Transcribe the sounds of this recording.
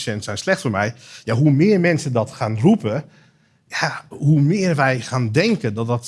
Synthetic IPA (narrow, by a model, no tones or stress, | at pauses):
sɛntsɛjnslɛxtfoːmɛjjaɦumɪərmɛnsədɔtxaːnrupə | jahumɪərʋɛjxaːndɛŋkədɔt̚dɔt